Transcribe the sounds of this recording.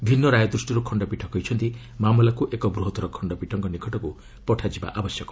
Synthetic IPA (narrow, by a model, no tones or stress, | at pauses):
bʱinːɔɾajɔd̪ɾusʈiɾukʰɔɳɖɔpiʈʰɔkɔɦjt͡ʃʰɔnt̪i | mamɔlakuʔekɔbɾuɦɔt̪ɔɾɔkʰɔɳɖɔpiʈʰɔŋkɔnikʰɔʈɔku | pɔʈʰad͡ʒiba̰ʔabɔsjɔkɔ̥